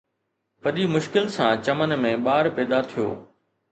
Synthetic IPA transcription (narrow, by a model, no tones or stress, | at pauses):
pɐɗimʊʃkɪlsãːt͡ɕɐmənmẽɓaːɾpɛːd̪at̪ʰijo̰ː